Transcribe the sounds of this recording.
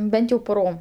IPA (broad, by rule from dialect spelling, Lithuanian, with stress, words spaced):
ˈbʲɛnt jɛʊ pʊˈroːm